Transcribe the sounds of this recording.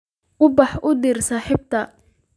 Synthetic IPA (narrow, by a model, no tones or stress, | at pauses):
ʔʊbɑħʔʊd̪iːrsaːħɪb̚t̪ʰɐ